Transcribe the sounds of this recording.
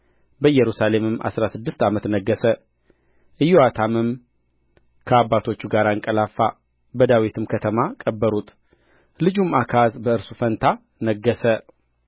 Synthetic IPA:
bəjɛɾusale̞mɨmʔa̰sɾasɨd̪ːɨst̪amət̪nəɡːəsə | ʔɨjːoat̪ʰamɨm | kʰəabːat̪ʰo̞t͡ʃːuɡaɾaɨŋkʼəlafːa | bəd̪awit̪ʰɨmkʰət̪ʰəmakʼəbːəɾut̪ʼ | lɨd͡ʒumakʰazbəɨɾsufənt̪ʰa | nəɡːəsə

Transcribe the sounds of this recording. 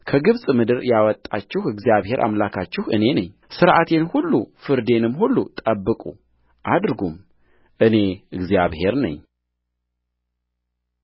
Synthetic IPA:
kʰəɡɨβsʼmɨd̪ɨɾjawɔt̪ʼːat͡ʃːɪhɨɡzjaβhe̞ɾʔa̰mlakʰat͡ʃːɪhɨne̞nəɲː | sɨɾʔat̪ʰe̞nhulːufɨɾd̪e̞nɨmːhulːut̪ʼəbːɨkʼṵ | ʔad̪ɾɡum | ʔɨne̞ɨɡzjaβhe̞ɾnə̰ɲː

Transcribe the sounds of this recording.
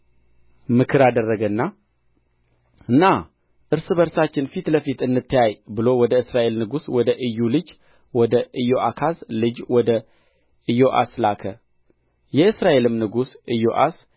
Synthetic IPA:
mɨkʰɨɾad̪ərːəɡənːa | ɨnːa | ʔɨɾsɨbəɾsat͡ʃːɪnfit̪ləfit̪ɨnːɨt̪ːɨjajbɨlowɔd̪əɨsɾaʔe̞lnɨɡuswɔd̪əʔɨjːulɨd͡ʒ | wɔd̪əʔɨjoʔakʰaslɨd͡ʒwɔd̪ə | ʔɨjo̞ʔa̰slakʰə | jɛɨsɾaʔe̞lɨmnɨɡusʔɨjoʔa̰s

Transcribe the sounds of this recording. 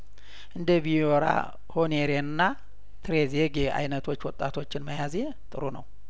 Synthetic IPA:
ʔɨnd̪əβijoɾa̰ | honeɾenɨnːa | t̪ʰɾezeɡea̰jnət̪ʰwo̞t͡ʃːwɔt̪ʼːat̪ʰo̞t͡ʃːɪnməjaze | t̪ʼɨɾunəw

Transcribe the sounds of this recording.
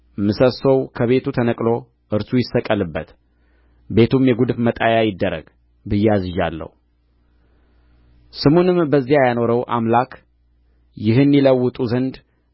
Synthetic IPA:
mɨsəsowkʰəβe̞t̪ʰut̪ʰənəkʼlo̞ | ʔɨɾsujɪsːəkʼːəlɨbːət̪ | be̞t̪ʰumjɛɡud̪ɨfmət̪ʼajajɪd̪ːəɾə̰ɡ | bɨjːɛazɨʒalːə̰hu | sɨmonɨmbəzːijajano̞ɾəwʔa̰mlakʰ | jɪɦɨnːiləwːʊt̪ʼuzənd̪

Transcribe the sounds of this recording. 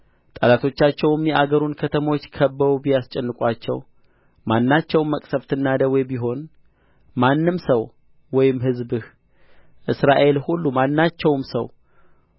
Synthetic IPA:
t̪ʼəlat̪ʰo̞t͡ʃːat͡ʃːɛwmjɛʔaɡəɾunkʰət̪ʰəmwot͡ʃːkʰəbːəɾubijast͡ʃʼɛnːɨkʼwat͡ʃːɛ̰w | manːat͡ʃːɛwmːəkʼsəft̪ʰɨnːad̪əwɔjbiɦo̞n | manːɨmsəw | wɔjɪmɦɨzbɨh | ʔɨsɾaʔe̞lhulːumanːat͡ʃːɛwmsə̰w

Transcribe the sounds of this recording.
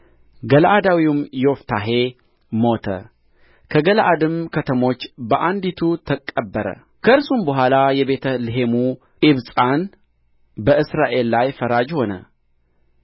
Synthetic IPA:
ɡəlaʔad̪awiumjɛoft̪ʰaɦe̞ | mo̞t̪ʰə̰ | kʰəɡəlʔad̪ɨmkʰət̪ʰəmo̞t͡ʃːbəʔand̪it̪ʰut̪ʰəkʼːəbːəɾə̰ | kʰəɨɾsumbəɦʷalajɛβe̞t̪ʰəlɨɦemu | ʔɪβsʼan | bəʔɨsɾaʔe̞lːajfəɾad͡ʒho̞nə̰

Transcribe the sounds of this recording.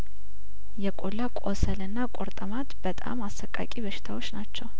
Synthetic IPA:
jɛkʼolːakʼosəlɨnːakʼoɾt̪ʼəmat̪bət̪ʼa̰masːəkʼːa̰kʼibəʃɪ̥t̪ʰawo̞t͡ʃːnat͡ʃːɛw

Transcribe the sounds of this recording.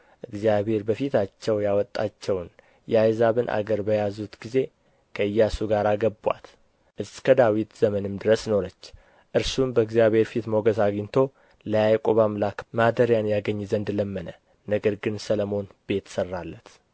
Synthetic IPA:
ʔɨɡzijaβe̞ɾbəfit̪at͡ʃːɛwjawɔt̪ʼːat͡ʃːɛwn | jɛajzaβɨnʔa̰ɡəɾbəjazut̪ɡize̞ | kʰəɨjːasuɡaɾaɡəbwa̰t̪ | ʔɨskʰəd̪awit̪z̥əmənɨmd̪ɨɾəsno̞ɾət͡ʃː | ʔɨɾsumbəɨɡzijaβhe̞ɾfit̪moɡəzaɡint̪ʰo̞ | ləjajkʼoβamlakmad̪əɾjanjaɡəɲːzənd̪ləmːənə | nəɡəɾɡɨnsələmo̞nbe̞t̪sərːalːət̪

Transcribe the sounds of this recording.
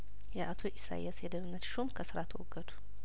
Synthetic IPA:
jɛʔat̪ʰoʔisa̰j̰asjɛd̪əβɨnːət̪ʃomkʰəsɨɾat̪ʰəwɔɡːəd̪u̥

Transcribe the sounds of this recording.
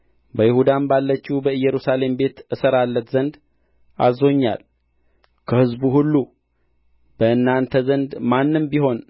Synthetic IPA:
bəjɪhud̪anbalːət͡ʃːibəɨjɛɾusale̞mbe̞t̪ʔɨsəɾalːət̪zənd̪ | ʔa̰zo̞ɲːa̰l | kʰəhɨzbuhulːu | b̥əʔɨnːant̪ʰəzənd̪manːɨmbiɦo̞n

